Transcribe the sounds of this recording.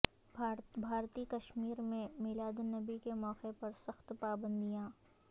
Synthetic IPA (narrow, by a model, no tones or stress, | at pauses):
bʱaːɾt̪ikɐʃmiːɾmẽmeːlaːd̪nɐbikemɔːqepɐɾsɐxt̪paːbə̃nd̪ijãː